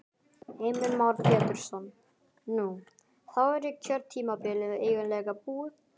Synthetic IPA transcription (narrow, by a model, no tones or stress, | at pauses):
eːjmɪnmawɾpʰɛːt̪ʏɾ̥sɔnː | u | θawɛɾjɛkcʰœɾt̪ʰiːmapɪlɪðaeːjvɪnlɛːɣapuː